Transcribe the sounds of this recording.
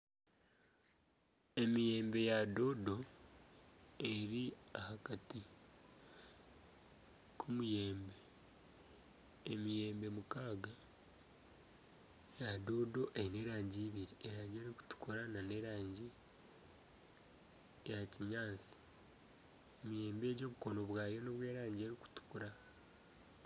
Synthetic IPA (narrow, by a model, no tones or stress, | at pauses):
e̞mije̞ːmbe̞jado̞do̞ | e̞ɾiahakati | kʰumuje̞ːmbe̞ | emije̞ːmbe̞mukaːɡa | jadoːdo̞ʔene̞ːɾaːɲɟiːβiɾieɾaːɲɟe̞ɾiku̥tu̥kuɾanane̞ɾaːɲɟi | ejaciɲaːnsi̥ | emije̞ːmbe̞ːɟo̞ːβuko̞no̞βwaːjo̞noβwe̞ːɾaːɲɟie̞ɾiku̥tu̥kuɾa